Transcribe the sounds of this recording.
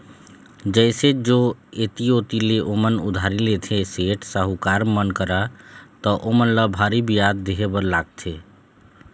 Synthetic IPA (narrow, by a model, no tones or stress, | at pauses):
d͡ʒəɪsed͡ʒoet̪iot̪ileʔomənud̪ʱaɾilet̪ʰeseʈsəɦukaɾmənkəɾət̪ɔʔomənləbʱaɾibijad̪ːeɦebəɾlaɡ̚t̪ʰe